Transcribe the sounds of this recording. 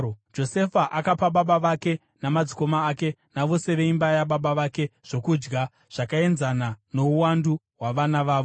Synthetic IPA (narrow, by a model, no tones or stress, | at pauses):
d͡ʒo̞se̞faʔakapaɓaɓaʋake̞ | namad͡ziko̞maːke̞naʋo̞se̞ʋeimbajaɓaɓaʋake̞ʐ̥o̞kud͡ʒɡa | ʐ̥akae̞nzanano̞uwandu | waʋanaʋaːʋo